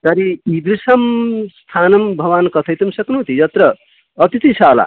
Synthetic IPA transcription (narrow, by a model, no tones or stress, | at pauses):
t̪ʌɾiib̪ɾisɐmst̪ʰanʌmbʱʌwankʌt̪ʰʌjt̪ʌmsʌknuɦt̪ijʌt̪ɾʌː | t̪it̪isʰala̰